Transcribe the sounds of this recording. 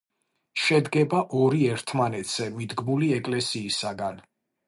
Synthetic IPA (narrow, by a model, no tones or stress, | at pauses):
ʃɛd̪ɡɛbaʔɔɾiɛɾt̪ʰmanɛt̪ʰz̥ɛmid̪ɡmuliɛkʼlɛsiːsaɡan